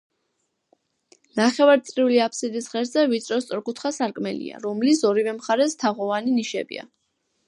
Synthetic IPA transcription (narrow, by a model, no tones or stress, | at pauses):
naχɛvaɾt̪sʼɾiuliapʰsid̪isʁɛɾzɛvit̪sʼɾɔst̪sʼɔɾkʰut̪ʰχasaɾkʼmɛlḭa̰ɾɔmlisɔɾivɛmχaɾɛst̪ʰaʁɔvaniniʃɛbḭa̰